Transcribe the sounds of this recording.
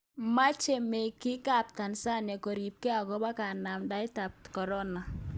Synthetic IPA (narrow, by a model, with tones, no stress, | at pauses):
ma˦t͡ʃe˨mɛ˨kɪ˦ka˦˨p̚ta˨nsa˦nɛ˨kɔ˨ɾi˨p̚kɛ˦a˨kɔ˦ba˦ka˨na˨mda˦jta˨p̚tkɔ˨ɾɔ˦na˨